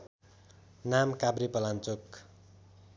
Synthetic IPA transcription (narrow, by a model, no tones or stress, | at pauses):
namkabɾipʌlant͡sok